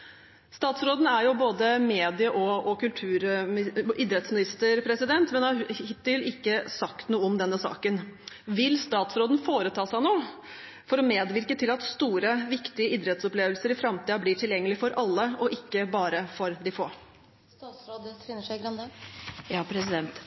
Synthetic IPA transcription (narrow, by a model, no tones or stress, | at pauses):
st̪ɑːt̪sɾoːd̪n̩æɾjʊboːd̪əmeːd̪ɪəʔɔɔkʉlt̪ʰʉːɾ | ʔɪːd̪ɾɛt̪smɪnɪst̪əɾpʰɾɛsɪd̪ɛnt̪mɛnɑhɪt̪ːɪlɪkːəsɑkt̪nuːəɔmd̪ɛnːəsɑ̰ːkən | ʋɪlst̪ɑːt̪sɾoːd̪n̩foːɾət̪ʰɑːsæɪnoː | fɔɾɔmeːd̪ʋɪɾkət̪ʰɪlɑt̪st̪uːɾəʋɪkt̪ɪəiːd̪ɾɛt̪sɔpleːʋəlsəɾɪfɾɑmt̪iːɑbliːʈʰɪljɛŋːəlɪfɔɾʔɑlːəɔʔɪkːəbɑːɾəfɔɾd̪ɪfoː | st̪ɑːt̪sɾoːd̪fɪnːəʂæɪɡɾɑnd̪əjɑpʰɾɛsɪd̪ɛnt̪